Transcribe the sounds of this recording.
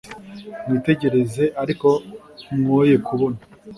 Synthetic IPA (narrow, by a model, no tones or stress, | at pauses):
nite̞ɟe̞ɾe̞ze̞ʔaɾiko̞ | mŋoje̞kuβo̞na